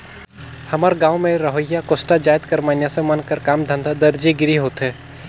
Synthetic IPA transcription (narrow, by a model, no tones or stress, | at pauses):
hɐmaːɾɡaːwmẽɾɐɦəjːakoːsʈad͡ʒaːɪt̪kəɾmaːnjasẽmənkəɾkaːmd̪ʱə̃nd̪ʱad̪əɾd͡ʒeɡɪɾiɦoːt̪ɦɛː